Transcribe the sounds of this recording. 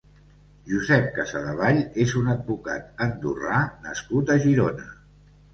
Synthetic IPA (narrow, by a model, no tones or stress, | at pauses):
ʒuzɛp̚kəsəðəβ̞aʎezunəd̪̚buka̰t̪̚ənd̪uranəskut̪əʒiɾonə